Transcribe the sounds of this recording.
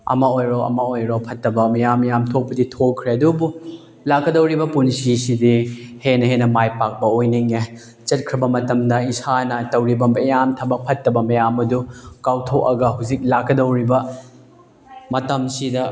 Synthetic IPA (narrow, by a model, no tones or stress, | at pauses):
ɐ̰mɐojɾoɐ̰mɐojɾopʰɐtːɐbɐmɐjamjamtʰok̚pɐditʰokkʰːɾeɐdubu | lakːɐdɐwɾibɐpunsisidihenɐhenɐmajpak̚bɐojniŋe | t͡ʃɐt̚kʰɾɐbɐmɐtɐmdɐisanɐtɐwɾibɐmɐjamtʰɐbɐk̚pʰɐtːɐbɐmɐjamɐdukawtʰok̚ɐɡɐɦuzik̚lakːɐdɐwɾibɐ | mɐtɐmsidɐ